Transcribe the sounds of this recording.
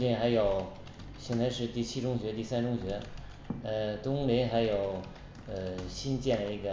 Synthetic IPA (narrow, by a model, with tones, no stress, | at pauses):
t͡ɕjɛ˥˩nxa˧˥ɪjo˨˩ʊ | ɕjɛ˥nt͡sa˧ɪʂɻ̩˥˧t̪i˥˩t͡ɕʰi˥ʈ͡ʂʊ˥ŋɕɥɛ˧˥t̪i˥˩sa˥nʈ͡ʂʊ˥ŋɕɥɛ˧˥ | ə˧t̪ʊ˥ŋli˧˥nxa˧˥ɪjo˨˩ʊ | ə˧˩ɕi˥nt͡ɕjɛ˥˩nə˩i˧˥˩ɡə˩